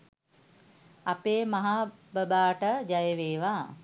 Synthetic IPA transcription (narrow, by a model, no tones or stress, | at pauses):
apeːmaɦaːbəbaːʈəd͡ʒajeʋeːʋaː